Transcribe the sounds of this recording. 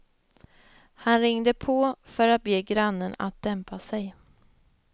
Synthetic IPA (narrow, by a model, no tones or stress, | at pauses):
hanɾɪŋd̪əpʰɔfœɾat̪̚beːɡɾanːəna̰t̪̚d̪ɛmpasɛj